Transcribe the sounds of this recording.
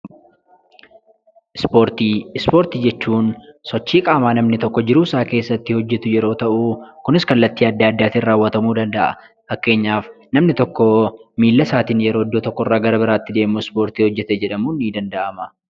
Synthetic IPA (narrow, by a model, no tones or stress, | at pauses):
ʔɪspoːɾt̪iːɪspo̞ːɾt̪iːd͡ʒɛt͡ʃːuːnsɔt͡ʃːiːkʼaːmaːnɐmnɪt̪ɔkːɔd͡ʒɪɾuːsaːke̞ːsːɐt̪ːɪhɔd͡ʒːɛt̪ʊjɛɾo̞ːt̪ɐʔukʊnɪskɐlːɐt̪ːiːɐd̪ːaɐd̪ːaːt̪ɪraːwːɐt̪ɐmuːd̪ɐnd̪ɐʔɐ̰ | fɐkːe̞ːɲːaːf | nɐmnɪt̪ɔkːɔmiːlːɐsaːt̪iːnjɛɾoːd̪ːoːt̪ɔkːɔrːaːɡɐɾɐbɪɾaːt̪ːɪd̪e̞ːmuɪspo̞ːɾt̪iːhɔd͡ʒːɛt̪ɛd͡ʒɛᶑɐmuːnːiːd̪ɐnd̪ɐʔɐmɐ